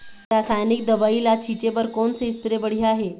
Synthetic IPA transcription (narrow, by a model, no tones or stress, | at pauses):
ɾasajnik̚d̪əʋailat͡ɕʰit͡ɕeʋəɾkoɳt͡seispɾebəɽ̤iaɦe